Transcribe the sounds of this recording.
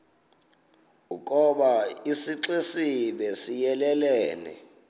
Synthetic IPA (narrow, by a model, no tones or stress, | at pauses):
uk̬ʼɔɓaisiǁesiɓesijɛlɛlɛːnɛ̰